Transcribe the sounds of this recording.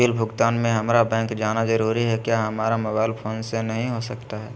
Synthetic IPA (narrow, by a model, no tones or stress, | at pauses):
iːlbʱʊɡt̪aːnmẽɦɐmɾabɛ̃ːŋkd͡ʒaːnazɐɾuːɾiɦɛkjaːɦɐmaːɾamoːbaːɪlpʰoːnsenɐɦĩɦosɐkt̪aɦɛː